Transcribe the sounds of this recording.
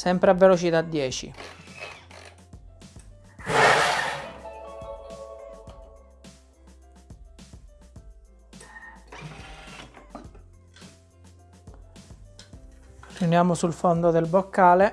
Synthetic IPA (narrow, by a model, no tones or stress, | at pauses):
sɛmpɾeavːelot͡ʃit̪ad̪ːjɛːt͡ʃḭ | riunjaːmosulfond̪od̪elbokːaːle